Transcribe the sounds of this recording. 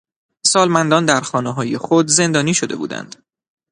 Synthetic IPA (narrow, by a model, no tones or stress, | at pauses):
sɒːlmænd̪ɒːnd̪æɾxɒːneɦɒːje̞xod̪ze̞nd̪ɒːniːʃod̪e̞̰bṵːd̪æ̰nd̪̥